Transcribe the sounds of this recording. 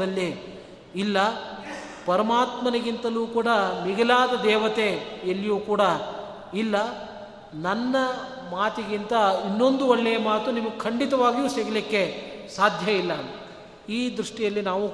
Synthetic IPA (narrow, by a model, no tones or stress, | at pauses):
ɐlːi | ilːɐ | pɐɾɐmaːt̪mɐneɡint̪ɐluːkuːɽɐmiɡɐlaːd̪ɐd̪ɛːʋɐt̪eɐlːjuːkuːɽɐ | ilːɐ | nɐnːɐ | maːt̪iɡint̪ɐinːo̞nd̪uɔɭːɛjɐmaːt̪unimɐɡukʰɐɳɖit̪ɐʋaːɡijuːseɡɐlikːesaːd̪ʱjɐilːɐnu | iːd̪ɾuʂʈijɐlːinaːʋu